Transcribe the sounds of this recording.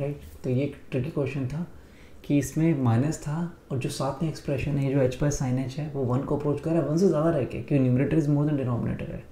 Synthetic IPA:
ɾaɪʈt̪ojeːkʈɾɪkikwɛːʃə̃nt̪ʰa | kiɪsmẽmaːɪnəst̪ʰaɔːɾd͡ʒoːsaːt̪ʰmẽɛkspɾɛʃənɦɛed͡ʒoːɛːt͡ʃpaɪsaːɪnɛ̃nsɦɛʋoʋɐnkoɐpɾoːt͡ʃkɐɾːaɦɛʋɐ̃nsezjaːd̪aɾɛɦkḛːkjõknuːmɾeːʈəɾɪzmoːɾd̪ɛ̃ɳɖɪnɔːmɪnḛːʈə̰ɾɦɛ̰ː

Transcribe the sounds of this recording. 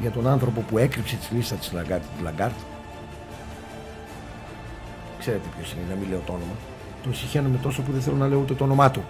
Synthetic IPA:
ʝɐt̪o̞nɐnθɾo̞po̞pue̞kɾipse̞t̪i̥zlist̪ɐt̪i̥slɐɡɐɾt̪t̪lɐɡɐɾt̪ | kse̞ɾe̞t̪e̞pço̞siniznɐmile̞o̞t̪oo̞no̞mɐ | t̪onsiçenɐmet̪o̞sop̬uðeθe̞lonɐle̞ut̪e̞t̪oono̞mɐt̪u

